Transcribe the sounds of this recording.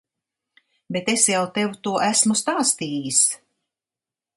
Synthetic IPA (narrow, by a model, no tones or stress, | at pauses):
bet̪esjawt̪ewut̪uɔʔæsmust̪aːst̪iːjis